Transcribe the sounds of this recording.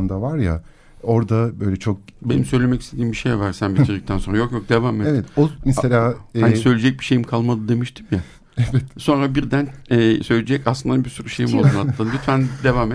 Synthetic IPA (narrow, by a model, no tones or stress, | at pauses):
nd̪avaɾja̰ | o̞ɾd̪abø̞jlʲɛt͡ʃʰo̞k̚be̞nimsøjlʲe̞mɛcist̪ʰe̞d̪iːmbiʃejvaɾsænbiiɾd̪ic̚t̪ænso̞nɾajo̞kjo̞k̚d̪e̞vaːmeevɛt̪omɛselʲaːansø̞jlʲed͡ʒɛc̚biʃe̞jimkʰalˠmad̪ɯd̪e̞miʃt̪ʰi̥mja | evɛt̪so̞nɾabiɾd̪ænɛːsø̞jlʲed͡ʒɛcaslˠɯnd̪biɾsyɾuʃe̞jimolˠunhat̪lˠand̪yt̪ʰfænd̪e̞vaːme